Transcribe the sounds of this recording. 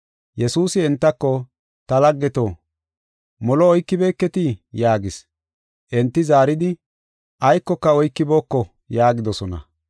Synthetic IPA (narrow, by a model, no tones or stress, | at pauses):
jɛsuːsɪɛnt̪ːɐkːɔ | t̪ɐlɐɡːɛt̪oː | mɔlɔːjkːɪbe̞ːkːɛt̪ɪjaːɡɪs | ʔɛnt̪ːɪzaːɾɪd̪ɪ | ʔɐjkːɔkːɐɔjkːɪbo̞ːkːɔ | jaːɡɪd̪ɔsɔnɐ̰